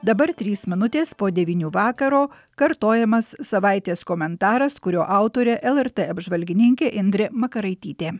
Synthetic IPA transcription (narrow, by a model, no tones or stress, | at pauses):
d̪ɐbɐɾt̪ʲɾʲiːsmʲɪnʊt̪ʲeːspoːd̪ʲɛʋʲiːnʲuːʋɑːkɐɾoː | kɐɾt̪oːjɛmɐsːɐʋɑˑɪt̪ʲeːskɔmʲɛnt̪ɑːɾɐskʊɾʲoːʔɑˑʊt̪oːɾʲɛʔɛlˠɛɾt̪eːɐbʒʋɐlʲɡʲɪnʲɪŋʲkʲeːʔɪnʲd̪ʲɾʲɛmɐkɐɾɐɪt̪ʲiːt̪ʲeː